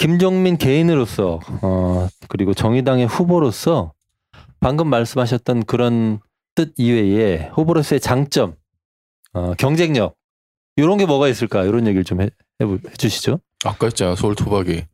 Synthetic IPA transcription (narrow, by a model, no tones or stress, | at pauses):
kimd͡ʑʌŋminke̞inɯɾos͈ʰʌʌkɯɾiɡot͡ɕʌŋidaŋe̞ɸuboɾos͈ʰʌ | paŋɡɯmːaɭs͈ɯmɦaɕ̬ʰʌt̚t͈ʌnkɯɾʌn | t͈ɯd̚iwe̞jeɸuboɾos͈ʌe̞t͡ɕaŋt͡ɕ͈ʌm | ʌkjʌŋd͡ʑe̞ŋɲʌk̚ | joɾʌnɡe̞mʌɣais͈ɯɭk͈ajoɾʌnje̞ɡiɭt͡ɕome | hehe̞d͡ʑuɕʰi̥d͡ʑo | ak͈at͡ɕ͈aasʰʌuɭtʰobaɡe